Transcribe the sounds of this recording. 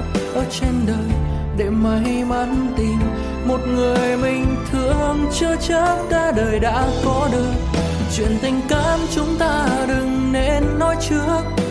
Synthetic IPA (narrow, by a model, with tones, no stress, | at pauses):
ʔəː˧˩t͡ɕe˧nɗəː˨˩j | ɗe˧˩maː˨˩ɦi˧jma˨˦nt̪i˨˩m | mo˨˩t̚ŋɨ˨˩əjmï˨˩ŋ̟t̪ʰɨ˧˩əhə˧nt͡ɕɨ˧ət͡ɕə˦˥t̚ɗaː˧˩ɗəː˨˩jɗa̰ː˧˥kɔ˨˦ɗɨ˨˩ək | t͡ɕwḭ˧˨ənt̪ï˧ŋ̟kaː˧˥mt͡ɕʊ˨˦ŋ͡mt̪aː˧ɗɨ˨˩ŋne˧˥nːɔ˨˦jt͡ɕɨ˦˥ək̚